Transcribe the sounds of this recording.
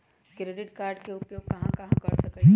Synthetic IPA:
kɾeːɖɪʈkaːɾɖkeʊpjoːɡ̚kɐɦãkɐɦãkɐɽsɐk

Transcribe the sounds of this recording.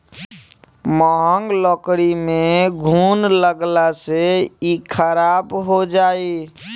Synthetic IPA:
mɔɦəŋɡlɔkɾimeɡʱunləɡlaseikʰəɾabɦod͡ʒaːi

